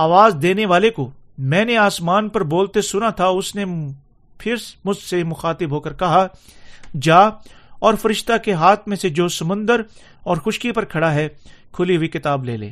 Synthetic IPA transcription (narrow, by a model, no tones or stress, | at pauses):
aːʋaːzd̪eːneʋaːlekomɛ̃ːneaːsmaːnpɐɾboːlt̪esʊnat̪ʰaʊsne | pʰɪɾsmʊd͡ʒsemʊxaːt̪ɪbʱɦoːkəɾkɐɦa | d͡ʒaːɔːɾfɐɾɪʃt̪akeɦaːt̪ʰmẽsed͡ʒoːsɐmʊ̃nd̪əɾ | ɔːɾxʊʃkipɐɾkʰɐɽaɦɛkʰʊliɦʊikɪt̪aːbleːlḛː